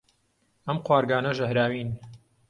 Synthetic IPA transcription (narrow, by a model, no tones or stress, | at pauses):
ɐmqwaːɾɡaːnɐʒɐhɾaːwiːn